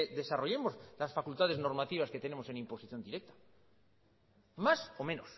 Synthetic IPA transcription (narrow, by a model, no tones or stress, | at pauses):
ðe̞saro̞ʝe̞mo̞zlasfakult̪að̞ezno̞ɾmat̪iβ̞aske̞t̪e̞ne̞mo̞se̞nimpo̞siθjo̞nd̪iɾe̞k̚t̪ḁ | maso̞mẽ̞nos